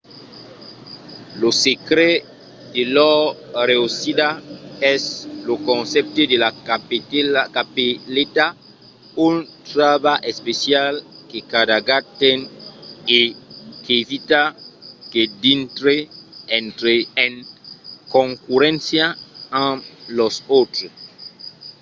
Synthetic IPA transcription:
losekɾe | d̪elɔɾeosidaɛslokõnsɛp̚t̪edelakapekapelet̪a | unt̪ɾaβaʔespesjalkekadaɡat̪enekevit̪aked̪int̪ɾeent̪ɾeẽŋkõŋkuɾɛ̃nsjaãlosot̪ɾes

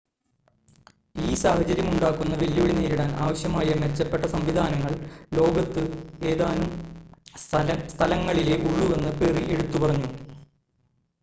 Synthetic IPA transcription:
iːsaːhɐt͡ɕɐɾjɐmuɳɖaːkːunːɐʋeljoːɽineːɾiɽaːnʔa̰ːʋɐɕjɐmaːjɐmet͡ɕːɐpːe̞ʈːɐsɐmʋid̪ʱaːnɐŋːɐɭlo̞ːɡɐt̪ːɨe̞ːðaːnum | st̪ʰɐlɐŋːɐɭile̞ʔuɭuʋe̞nːɨperiʔe̞ɽut̪ːupɐrɐɲːu

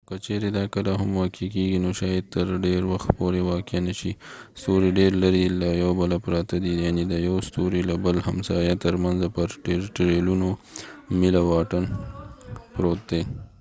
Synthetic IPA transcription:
kət͡ʃeɾed̪ɑkəlaɦamwɑkʰikeɡinoʃɑjad̪̚t̪əɾɖeɾwaxt̪poɾewɑkanəʃist̪oɾiɖeɾlaɾilajawbəlapɾɑt̪ad̪ijaned̪əjawst̪oɾilabəlhamsɑjat̪əɾmanzapəɾʈeɾʈɾelunomɪlawɑʈən | pɾot̪̚d̪e

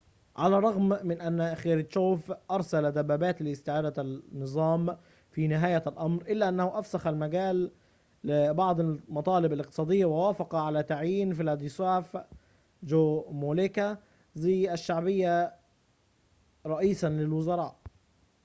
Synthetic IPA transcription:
ʕalaːrˤɑɣmmɪnʔanːxeːɾɪt͡ʃoːfʔɑɾˤsalad̪abːæːbæːt̪lɪɪst̪ɪʕaːd̪anːɨzˤɑːm | fiːnɪɦæːjalʔɑmɾʔɪlːæːʔanːæhʊʔæfsaxalmaɡæːlː | ɪbɑʕd̪ˤmɑt̪ˤɑːlɪbalɪq̚t̪ɨ̥sˤɑːd̪ɪjːawawaːfɑqɑʕalæːt̪aʕjiːnfilæd̪isaːf | d͡ʒomoleka | ziʃːaʕbɪjːa | ɾˤɑʔiːsanlɪlwʊzɑɾˤɑ̰ːʔ

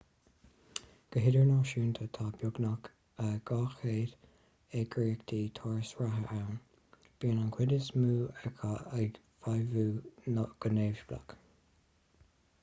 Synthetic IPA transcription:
ɡ̥əɦɪdəɹnɔːʃuːnt̪ʰət̪ʰaːbjʊɡnak | əɡ̥ɑːxeːd | ɛɡɹiːkd̪iːt̪ʰɔːɹsɹaɦəʔawn | b̥iːənankʰwɪdəsmuːɛkʰaa | vajvuːnɡ̥əneːvʃbla̰k

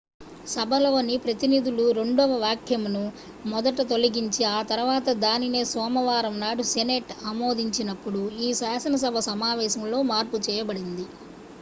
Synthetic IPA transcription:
sɐbʱɐlɐʋɐnipɾɐt̪inid̪uluɾe̞ɳɖɔːʋɐʋjaːkʰjɐmnu | mɔd̪ɐʈɐt̪o̞lɐɡiɲt͡ʃiaːt̪ɐɾʋaːt̪ɐd̪aːnine̞ːsʋɔːmɐʋaːɾɐmnaːɽuseneːʈamo̞ːd̪iɲt͡ʃinɐpːuɽuiːsaːsɐnɐs̬ɐbʱɐsɐmaːʋɛːʃɐmlo̞ːmaːɾput͡ʃɛːjɐbɐɽind̪i

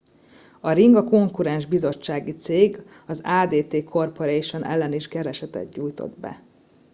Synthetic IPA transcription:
ɒɾiŋɡɒko̞ŋkuɾɛnʒbizo̞t͡ʃːaːɡit̪seːɡ | ɒzaːd̪eːt̪eːkʰo̞rpoɾeːjʃonʔɛ̰lːɛniʃkɛɾɛʃɛt̪ɛ̰d̪ɟuːjt̪o̰d̪bɛ̰

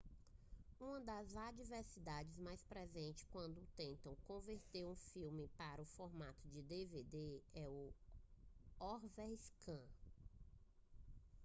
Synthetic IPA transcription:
ũɐ̃d̪ɐzad͡ʒiveɾsid̪ad͡ʒɪzmajspɾɛzẽnt͡ʃɪ̥kwɐ̃nd̪ʊt̪ẽnt̪ɐ̃w̃kõveɾt̪eɾũfiwmɪpaɾɐʊfɔɾmat̪ʊd͡ʒɪd̪eved̪eɛʊ | ɔɾvɛskɐ̃

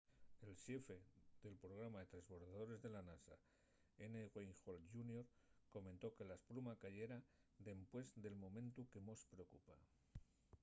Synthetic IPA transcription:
e̞lʃe̞fe̞ðe̞lpɾo̞ɣ̞ɾamaðet̪ɾezβo̞ɾðaðo̞ɾe̞zðe̞lanasa | eneɣwejŋxolʝunjoɾko̞mẽnt̪o̞ke̞laesplumakaʝe̞ɾad̪e̞mpwe̞zd̪e̞lmõ̞mẽ̞nt̪uke̞mospɾeokupa

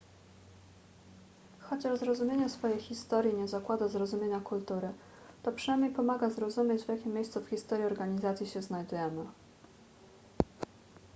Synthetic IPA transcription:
xɔt͡ɕaʐzɾɔzumʲjeɲɛsfɔjejxʲist̪ɔɾʲjiɲɛzakwad̪azɾɔzumʲjeɲakult̪uɾɘ | t̪ɔpʂɨnajmɲejpɔmaɡazɾɔzumʲjed͡ʑvʲjakʲimʲːjejst̪sufxʲist̪ɔɾʲjiɔɾɡaɲizat̪sʲjiɕɛznajd̪ujɛmɘ

